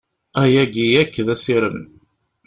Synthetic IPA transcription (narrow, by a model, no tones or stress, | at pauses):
æjæɡijækːðæsiɾən